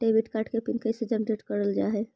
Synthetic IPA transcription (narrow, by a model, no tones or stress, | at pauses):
ʈebiʈkaɾʈkepinkəjsed͡ʒəmʈɾeʈkəɾəld͡ʒaɦɛ